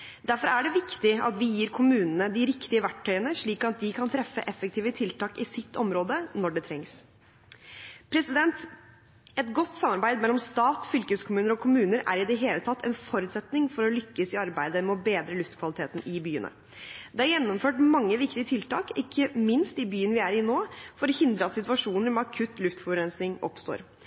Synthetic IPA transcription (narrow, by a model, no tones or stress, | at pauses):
d̪æɾfɔɾæɖɛʋɪkt̪ɪɑ̰t̪ʋɪjiːɾkʰʊmʉːnənəd̪ɪɾɪkt̪ɪəʋæʈʰːœʏənəʂɭiːkɑt̪̚d̪ɪkʰɑnt̪ʰɾɛfːə̰ʔɛfːək̚t̪ʰiːʋət̪ʰɪlt̪ʰɑːkɪsɪt̪ʰːɔmɾoːd̪ənɔɖɛt̪ʰɾɛŋs | pʰɾɛsɪd̪ɛnt̪ | ɛt̪ɡɔt̪ːsɑmːɑɾbæɪd̪mɛlːɔmst̪ɑːt̪fʏlkəskʰʊmʉːnəɾɔkʰʊmʉːnəɾæɾɪd̪ɛɦeːlət̪ʰɑt̪ʰːɛ̰nfɔɾʉt̪sɛt̪nɪŋfɔɾɔlʏkːəsɪɑɾbæɪd̪əmɛɔbeːd̪ɾəlʉft̪kʰʋɑlɪt̪ʰeːt̪n̩ɪbyːənə̰ | d̪ɛæɾjɛnːɔmføːʈmɑŋːəʋɪkt̪ɪət̪ʰɪlt̪ɑːkɪkʰːəmɪnst̪ɪbyːənʋɪæɾɪnoːfɔɾɔhɪnd̪ɾəɑt̪sɪt̪ʉɑʂuːnəɾmɛɑkʰʉt̪lʉft̪fɔɾɛnsnɪŋɔ̰pst̪o̰ːɾ